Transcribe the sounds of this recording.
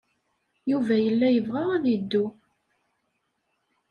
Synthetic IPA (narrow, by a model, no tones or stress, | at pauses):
juvæjəlːæjəvʁaʁæðid̪ːu